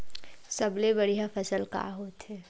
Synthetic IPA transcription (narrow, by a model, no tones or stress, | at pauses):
sɐblebɐɽiɦafʰɐsəlka̰ːɦoːt̪ɦɛː